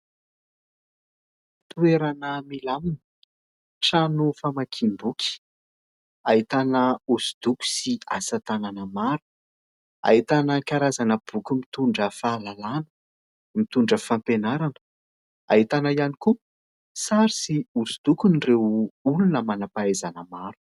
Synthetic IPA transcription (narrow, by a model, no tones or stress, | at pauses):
t̪ueɾanəmilamini̥ | ʈ͡ʂanufamakʰimbukʲi̥ | ait̪anəuzu̥d̪̥uku̥siasat̪ananəmaɾu̥ | a̰it̪anəkaɾazanəb̥ukumit̪uɳɖ͡ʐəfaːlalanə̥ | mit̪uɳɖ͡ʐəfampenaɾanə̥ | a̰ɦit̪anəianiku | saɾisiuzud̪̥ukunirewulunəmanapaezanəmaɾu̥